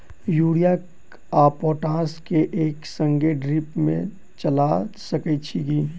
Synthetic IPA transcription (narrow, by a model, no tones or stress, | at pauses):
juːɽijak | aːpoːʈãːskeʔeːksə̃ŋɡeɖɾipmḛ̃ | t͡ʃəlasəkɛt͡ʃʰiɡiː